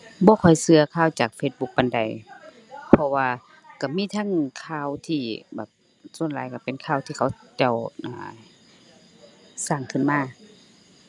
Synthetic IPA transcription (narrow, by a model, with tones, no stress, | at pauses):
bɔː˧˦kʰɔ˨˩jsɯ˧ɐkʰaː˧˥˨wt͡ɕaː˨˩k̚feː˧t̪̚bu˧˦k̚ba˧˨nda˨j | pʰɔ˧waː˧ | ka˧˩miː˧˥˨t̪ʰa˧˥˨ŋkʰaː˧˩˨wt̪ʰiː˧˩bɛː˨˩p̚ | su˧˨ənla̰ː˨˦jka˧˩pe˨nkʰaː˧˨wt̪ʰiː˧kʰa˧˩˦wt͡ɕa˧˩wʔa̰ː˧˩ | saː˧˩ŋkʰɯ˧˨nmaː˧˥˨